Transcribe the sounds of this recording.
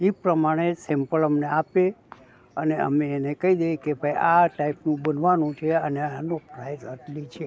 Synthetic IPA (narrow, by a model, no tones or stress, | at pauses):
ipɾəmaɽ̃esɛmpələmneape | əneə̰meːnekəid̪ejkebʱaiaʈaipnũbənʋanũt͡ʃʰeəneanopɾaizəʈlit͡ʃʰe